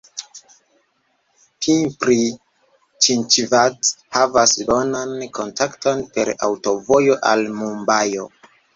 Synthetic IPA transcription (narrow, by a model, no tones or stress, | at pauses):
pʰinpɾi | t͡ʃint͡ʃvathavasbonanko̞ntakto̞npe̞ɾa̰wto̞vo̞jo̞ʔalmumbajo